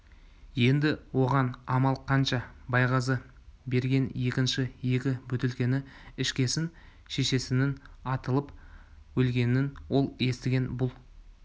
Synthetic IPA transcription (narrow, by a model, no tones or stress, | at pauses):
je̞nd̪ɪwo̞ʁɑnɑmɑlˠqʰɑnʃɑbɑjʁɑzə | be̞ɾɡʲe̞nje̞kʲɪnʃɪje̞kʲɪbʏt̪ɪlkʲe̞nɪɪʃkʲe̞sɪn | ʃe̞ʃe̞sɪnɪnɑt̪əlˠəpwɵlɡʲe̞nɪnwo̞lˠe̞st̪ɪɡʲe̞nbʊlˠ